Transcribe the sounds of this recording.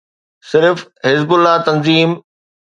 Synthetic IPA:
sɪɾfhɪzbʊlːat̪ɐnziːm

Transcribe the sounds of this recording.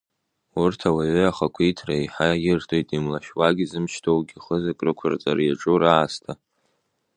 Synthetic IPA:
urtʰawaʕʏaχakʷʰitʰrajħajɪrtʰojtʼimlaʃwaɡʲizɨmʃtʰowɡʲiχəzakʼrɨkʷʰa̰rt͡sʼaɾjaʈ͡ʂʼuraːstʰa

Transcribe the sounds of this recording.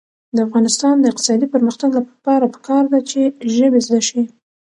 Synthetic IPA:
d̪əafɣɑnɪst̪ɑnd̪əɪq̚t̪ɪ̥sɑd̪ipəɾməxt̪aɡlapɑɾapə̥kʰɑɾd̪at͡ʃeʒəbezd̪aʃi

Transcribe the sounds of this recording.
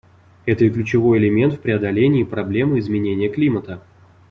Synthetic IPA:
ɛt̪əiklʲʉt͡ɕɪvo̞jɪlʲɪmʲe̞nt̪fpɾʲɪɐd̪ɐlʲenʲɪːpɾɐblʲe̞mɨɪzmʲɪnʲenʲɪjəklʲimət̪ə

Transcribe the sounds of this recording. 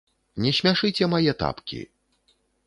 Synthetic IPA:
nʲɛsʲmʲaʂɨt͡sʲɛmajɛt̪a̰pkʲḭ

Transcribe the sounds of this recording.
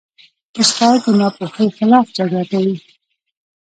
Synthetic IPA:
pəskɑk̪ənɑpoxəjxɪlɑfd͡ʒaɡakawi

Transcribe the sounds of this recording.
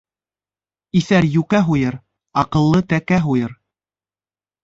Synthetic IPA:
iθæɾjʉkæɦujɤɾ | ɑqɤ̆lˠːɤt̪ækæɦujɤɾ

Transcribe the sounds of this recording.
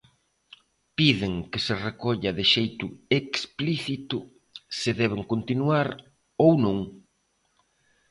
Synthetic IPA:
piðɪŋkɪserekoʎaðɪʃejt̪ʊekspliθit̪ʊ | sɪðɛβ̞eŋkont̪inuaɾ | ownũŋ

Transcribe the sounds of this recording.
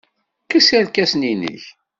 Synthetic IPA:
kəsæɾkæsninḭç

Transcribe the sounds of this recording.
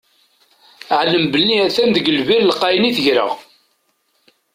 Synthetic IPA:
ʕləmbəlːiæθænðəɡəlviɾlqːɑjniθəʝɾə̰ʁ

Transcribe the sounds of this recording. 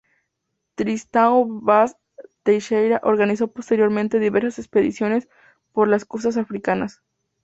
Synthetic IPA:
t̪ɾist̪aoβas | t̪ejʃejɾaʔo̞ɾɣanis̬o̞post̪e̞ɾjo̞ɾmẽnt̪e̞ðiβe̞ɾsase̞kspe̞ðḭsjo̞ne̞s | po̞ɾlaskuɾs̬as̬afɾikanas

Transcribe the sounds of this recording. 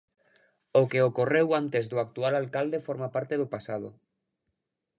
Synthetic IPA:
okeokorewant̪ezðoak̚t̪ualalkald̪efoɾmapaɾt̪eðopasað̞o̰

